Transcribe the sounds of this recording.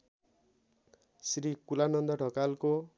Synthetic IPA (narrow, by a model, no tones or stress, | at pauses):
sɾikulanʌnd̪ʌʈʌkalko